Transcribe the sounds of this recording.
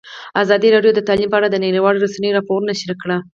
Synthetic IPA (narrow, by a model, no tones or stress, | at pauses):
azɑd̪iɾɑɖjod̪ət̪ɑlimpəaɽad̪əneɾiwɑɽɾosanəjoɾɑpoɾnaʃəɾikɽa